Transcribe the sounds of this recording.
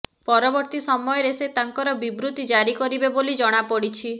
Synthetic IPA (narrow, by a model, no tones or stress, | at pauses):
pɔɾɔbɔɾt̪isɔmɔjɔɾeset̪aŋkɔɾɔbibɾut̪id͡ʒaɾikɔɾibebolid͡ʒɔɽ̃apɔɽit͡ʃʰi